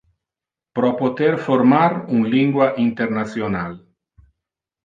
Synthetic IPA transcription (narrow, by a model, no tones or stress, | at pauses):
pɾopot̪eɾfoɾmaɾunliŋɡwaʔint̪eɾnasjonal